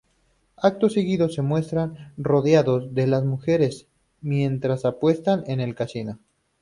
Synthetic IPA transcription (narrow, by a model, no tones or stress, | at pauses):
ak̚t̪o̞sːeɣiðo̞sːe̞mwe̞st̪ɾanro̞ðjaðo̞zðelazmuxe̞ɾe̞s | mje̞nt̪ɾasapwe̞st̪ane̞ne̞lkasino̞